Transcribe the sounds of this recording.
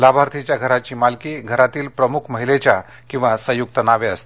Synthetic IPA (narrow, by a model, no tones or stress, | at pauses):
labʱaɾt̪ʰit͡ɕjaɡʱəɾat͡ɕiːmalkiːɡʱəɾat̪iːlpɾəmukʰməɦilet͡ɕja | kĩw̃ʋasəjuk̚t̪ənaʋeəst̪e̥